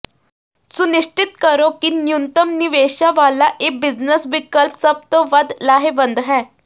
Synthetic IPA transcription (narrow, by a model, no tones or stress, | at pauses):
sʊnɪʂt͡ʃɪt̪kəɾokinjunt̪əmniʋeːʃaʋaːlaʔek̚bɪznəsʋɪkəlpsəb̚t̪oʋəd̪laːɦeʋə̃nd̪ɦɛː